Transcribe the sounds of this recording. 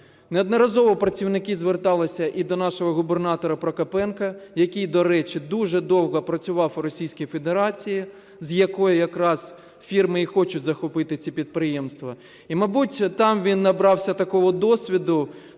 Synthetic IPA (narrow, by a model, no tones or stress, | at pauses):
neɔd̪nɔɾɐzɔʋɔpɾɐt͡sʲiwnɪkɪzʋert̪ɑlˠɪsʲɐʔid̪ɔnɑʃɔɦɔɣʊbernɑt̪ɔɾɐpɾɔkɐpɛnkɐjɐkʲijd̪ɔɾɛt͡ʃɪd̪uʒɛd̪ɔwɦɐpɾɐt͡sʲʊʋɑwɾɔsʲijsʲkijfed̪eɾɑt͡sʲiji | zjɐkɔjʊjɐkɾɑz | fʲirmɪixɔt͡ʃʊtʲzɐxɔpɪt̪ɪt͡sʲipʲid̪̚pɾɪjemst̪ʋɐ | imɐbutʲt̪ɑmʋʲinːɐbɾɑwsʲɐt̪ɐkɔɦɔd̪ɔsʲʋʲid̪ʊ